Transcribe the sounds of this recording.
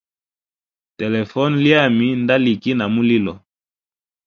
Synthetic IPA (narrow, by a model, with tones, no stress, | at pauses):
te˨lɛ˨fɔ˦nli˦a˦˨mi˦nda˦li˨ki˦na˨mu˦li˦lɔ˨